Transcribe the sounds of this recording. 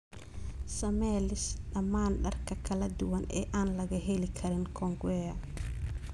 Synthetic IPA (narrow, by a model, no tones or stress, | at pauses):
sɐmɛːlɪsɗɐmːaːnɗɐrkʰɐkʰɐlɐd̪ʊwɐnɛ̰ːʔaːnlɐɣɐɦɛlɪkʰɐɾɪnkʰɔŋɡɛːjɐ